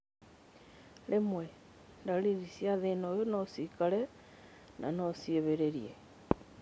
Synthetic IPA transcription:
lʔemwɛ | ndaliɾisjaðenojonosikalɛ | nʔa̰nosieβeɾeɾje

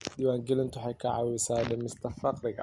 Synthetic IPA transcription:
diːwaːŋɡɛlɪnt̪ʰʊħɑjkʰɐʕɑ̰wɪsaːlɛmɪst̪ʰɐfɑqɾɪɣɐ̰

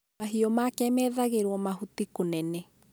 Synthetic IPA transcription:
maɦiɔmakɛmɛːðaɣeɾwɔmaɦutikonɛnɛ

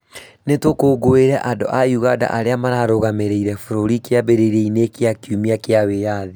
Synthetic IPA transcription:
netwokoːɡoweɾɛʔado̰ʔajuɣada̰ʔaɾeamaɾaɾoɣameɾeiɾɛfoɾoɾikeabeɾeɾeinekeakjumiakeawejaði

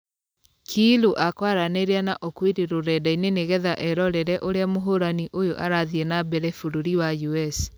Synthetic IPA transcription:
kʰiloʔakwaɾaneɾeanaʔɔkwiɾeɾoɾɛdaineneɣɛðaʔɛɾɔɾɛɾɛʔoɾeamoɦoɾaniʔojoʔaɾaðiɛnabɛɾɛfuɾoɾiwajuɛs

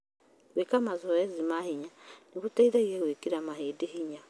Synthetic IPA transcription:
ɣwekamazɔezimahiɲaniβutaiðaiɾeɣwekiɾamaheːdihiɲa

